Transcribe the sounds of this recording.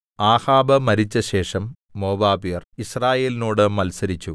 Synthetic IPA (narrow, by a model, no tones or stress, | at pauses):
aːhaːbɐmɐɾit͡ɕːɐɕe̞ːʂɐmː | o̞ːbaːbijɐrisraːje̞ːlinoːɽɨmɐlsɐɾit͡ɕːu